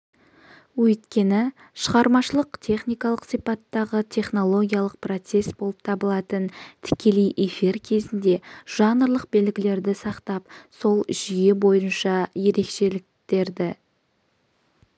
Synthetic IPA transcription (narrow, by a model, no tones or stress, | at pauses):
wɵjt̪kʲe̞nɪ | ʃəʁɑɾmɑʃəlˠəqt̪ʰe̞χnijkɑlˠəqsijpɑt̪ːɑʁət̪ʰe̞χno̞lˠo̞ɡʲijalˠəq̚pro̞t̪se̞sbo̞lˠəp̚t̪ʰɑbəlˠɑt̪ənt̪ʰɪ̥kʲe̞lejʔefiɾkʲʰe̞zɪnd̪e̞ʒ̥ɑnəɾlˠəq̚be̞lɡʲɪle̞ɾd̪ɪsɑqt̪ɑpso̞lˠʒije̞bo̞jənʃɑje̞ɾe̞kʃe̞lɪk̚t̪e̞ɾd̪ɪ